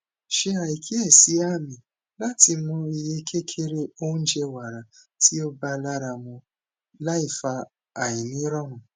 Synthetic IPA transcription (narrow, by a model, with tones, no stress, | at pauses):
ʃe˧a˨i˨kʰi˦ɛ˦˨si˨˦a˦˨mĩ˨ | la˦ti˧mũ˧i˧je˧kʰe˦kʰe˦ɾe˦o˦ũ˦d͡ʒe˧wa˨ɾa˨ti˦o˦ba˧la˦ɾa˧mũ˧ | la˦i˦˨faː˧˨ | i˨nĩ˨˦ɾɔ˦mũ˨